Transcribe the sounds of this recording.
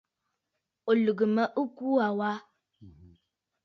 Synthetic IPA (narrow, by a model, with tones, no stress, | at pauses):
o˨lɨ˨ɡə˨mə˦ʔə˦ku˦a˨wa˦